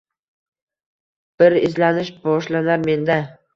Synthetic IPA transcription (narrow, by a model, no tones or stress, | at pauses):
b̥ɪɾɪzlanɪʃbɒʃlanaɾme̞nd̪a